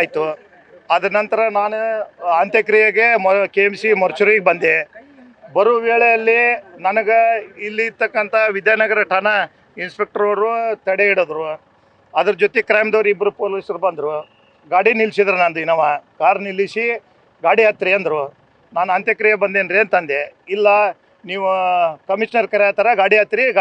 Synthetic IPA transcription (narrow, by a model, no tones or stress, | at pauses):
jt̪u | ɐd̪ɐnɐnt̪ɐɾɐnaːnuɐnt̪jɐkɾijɐɡe̞mkeːmsimɐɾt͡ʃuɾiɡebɐnd̪e | bɐɾuʋeːɭejɐlːinɐnɐɡeilːiːɾt̪ɐkːɐnt̪ʰɐʋid̪jaːnɐɡɐɾɐʈʰɐnɐ | inspek̚ʈɐɾɐɾut̪ɐɽeiɽoːd̪ɾu | ɐd̪ɐɾɐd͡ʒot̪ekɾaːmd̪oːɾiibɐɾupoːliːsɐɾbɐnd̪ɾu | ɡaːɽinilsid̪ɐɾunaːnd̪uinɐʋakaːɾnilːisi | ɡaːɽiat̪ɾiɐnd̪ɾu | naːnɐnt̪jɐkɾijɐbɐnd̪enɾeːnt̪ɐnd̪eilːɐ | niːʋukɐmiʂnɐɾkɐɾɛaːt̪ɐɾɐɡaːɽiat̪ɾiɡ